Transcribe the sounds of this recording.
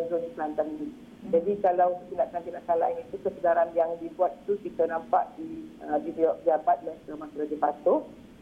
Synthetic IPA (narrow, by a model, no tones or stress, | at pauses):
ənd͡ʒonipəlant̪aŋni | d͡ʒadikalawət̪indaʔkant̪indaʔkanla̰ɪnit̪ukəsədaɾanjaŋdibuat̪̚i̥t̪ukit̪ənãmpa̰ʔdiəbidiɔʔd͡ʒabat̪̚lat̪amãkɾadipat̪ʊ